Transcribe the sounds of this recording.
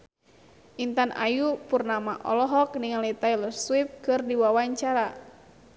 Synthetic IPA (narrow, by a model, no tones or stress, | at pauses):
ʔint̪anʔa̰jupurnamaʔɔ̰lɔɦɔk̚niŋalit̪ajləswip̚kɨrdiwawaɲt͡ʃaɾa